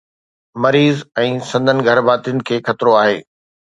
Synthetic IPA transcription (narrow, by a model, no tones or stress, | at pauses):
mɐɾiːzɛ̃ːsɐ̃nd̪ʱənɪ̆ɡʱɐɾbaːt̪ijʊnɪ̆kʰeːxɐt̪ɪɾoaːɦḛː